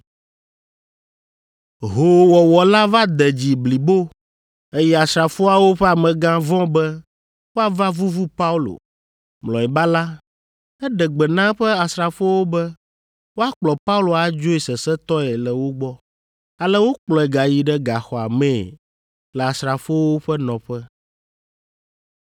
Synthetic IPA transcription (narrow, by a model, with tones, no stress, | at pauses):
ɦo˦wɔ˨wɔ˨la˦va˦d̪ɛ˨d͡ʑi˨bli˨bo˦ | ɛ˦jɛ˦˨a˨sɾa˨fo˦a˨wo˦ɸɛ˦a˨mɛ̃˨ɡã˦vɔ̃˦bɛ˦ | wo˦a˨va˦vu˦vu˦pa˦u˦lo̰˨ | mlɔ̃˨ɛ˨ba˦la˦ | ɛ˦ɖɛ˨ɡ͡bɛ˨nã˦ɸɛ˦a˨sɾa˨fo˦wo˦bɛ˦ | wo˦a˦k͡plɔ˨pa˦u˦lo˨a˨d͡ʒo˦i˨sɛ˨sɛ˦t̪ɔ˦ɛ˨lɛ˨wo˦ɡ͡bɔ˦ | a˨lɛ˦wo˦k͡plɔ˨ɛ˨ɡa˨ji˨ɖɛ˦ɡa˨xɔ˨a̰˨mɛ̃˦˨ | lɛ˨a˨sɾa˨fo˦wo˦ɸɛ˦nɔ̃˨ɸɛ˦